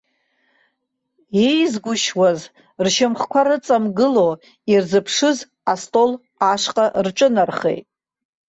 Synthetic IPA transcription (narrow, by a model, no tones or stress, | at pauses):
ejzɡʷʊʃwaz | rʃɪmχkʷʰaɾɨt͡sʼamɡɨlo | irzɨpʰʂɨz | astʼo̞l | aʂqʼarʈ͡ʂʼɨnarχḛjtʼ